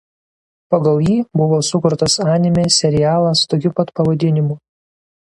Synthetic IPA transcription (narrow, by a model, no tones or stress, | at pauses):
pɐɡɐlˠjiːbʊʋoːsʊkʊɾt̪ɐsɑːnʲɪmʲeːsʲɛɾʲɪjæːlˠɐst̪oːkʲupɐt̪pɐʋɐd̪ʲɪnʲɪmuː